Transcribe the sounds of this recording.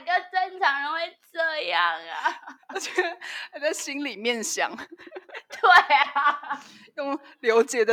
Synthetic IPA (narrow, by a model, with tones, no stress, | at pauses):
ɡə˧ʈ͡ʂə˥nʈ͡ʂʰɑ˧˥˦ŋɻə˧nwe˧˥ɪʈ͡ʂɤ˥˧jɑ˥˩ŋɐ̰˩˨˩t͡ɕɛ˧˥˧a˧˩t͡sa˥˩ɪɕi˥nli˨˩mjɛ˥˩nɕjɑ̰˨˩˦ŋ | t̪we˥˩ɪ | jʊ˥˩ŋ | ljo˧˥ʊt͡ɕjɛ˨˩d̪ə˦